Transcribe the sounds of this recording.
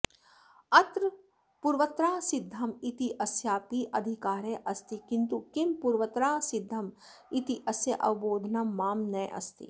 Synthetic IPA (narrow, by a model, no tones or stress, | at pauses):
ɐt̪ɾ | puɾʋɐt̪ɾaːsɪd̪ʱːɐmit̪iʔɐsjaːpiʔɐd̪ʱikaːɾeʔɐst̪ikint̪ukimpuɾʋɐt̪ɾaːsɪd̪ʱːɐm | it̪iʔɐsjɐʔɐ̰ʋboːd̪ʱnɐmːaːmnɐʔɐ̰st̪ḭ